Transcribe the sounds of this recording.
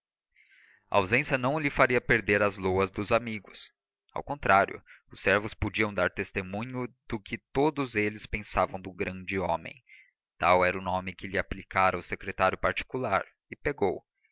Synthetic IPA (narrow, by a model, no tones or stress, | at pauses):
ɐ̰awzẽsjɐnɐ̃w̃lɪfaɾiɐpeɾd̪eɾɐzloɐzd̪ʊzamiɡʊs | a̰wkõnt̪ɾaɾjʊ̰ʊsːɛɾvʊspod͡ʒiɐ̃w̃d̪aɾt̪est̪emũɲʊd̪̥ʊkɪt̪od̪ʊzelɪspẽsavɐ̃w̃d̪ʊɡɾɐ̃d͡ʒɪõmḛ̃j̃ | t̪awɛɾɐʊnõmɪkɪʎɪaplikaɾɐʊsekɾet̪aɾjʊpaɾt͡ʃi̥kulaɾ | ɪpeɡow